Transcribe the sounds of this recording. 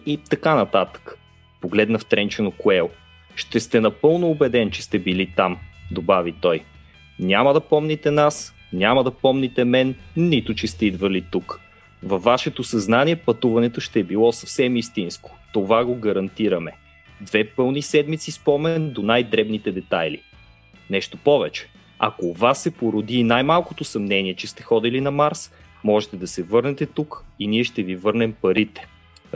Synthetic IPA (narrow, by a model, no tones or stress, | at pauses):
it̪ɐkanɐt̪at̪ə̥k | poɡlɛd̪nəft̪ɾɛnt͡ʃɛnokoɛlˠ | ʃt̪ɛst̪ɛnɐpɤlˠnoːbɛd̪ɛnt͡ʃɛ̥st̪ɛbilit̪amd̪obavit̪ɔj | nʲamɐd̪ɐpɔmnit̪ɛnas | nʲamɐd̪ɐpɔmnit̪ɛmɛnːit̪ʊt͡ʃɛst̪ɛid̪vɐlit̪uk | vɐfːaʃɛt̪osɐznaniɛpɐt̪uvɐnɛt̪oʃt̪ɛːbilˠɔsɐfsɛmist̪insko̥t̪ovaɡoɡɐɾɐnt̪iɾəmɛ | d̪vɛpɤlˠnisɛd̪mit̪sispɔmɛnd̪onajd̪ɾɛbnit̪ɛd̪ɛt̪ajlḭ | nɛʃt̪opɔvɛt͡ʃɛ̥ | ɐ̰kovasːɛpoɾʊd̪iːnajmalˠkot̪osɐmnɛniɛt͡ʃɛst̪ɛ̥xɔd̪ilinɐmaɾs | mɔʒɛt̪ɛd̪ɐsɛvɤɾnɛt̪ɛt̪ukiniɛʃt̪ɛvivɤɾnɛmpɐɾit̪ɛ̥